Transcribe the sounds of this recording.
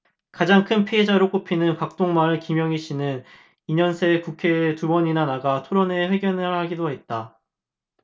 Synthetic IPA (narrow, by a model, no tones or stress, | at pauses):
kad͡ʑaŋkʰɯnpʰiɦed͡ʑaɾok͈opʰinɯnkak̚t͈oŋmaɾɯɭkimjʌŋiɕ͈ʰinɯn | iɲʌnsʰe̞kukʰe̞tubʌɲinanaɡatʰoɾʌne̞ɸwe̞ɡjʌnɯɭhaɡidoɦe̞t̚t͈a